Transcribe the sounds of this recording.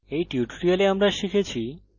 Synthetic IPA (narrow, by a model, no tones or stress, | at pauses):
ejʈiuʈoɾialeamɾaʃikʰet͡ɕʰi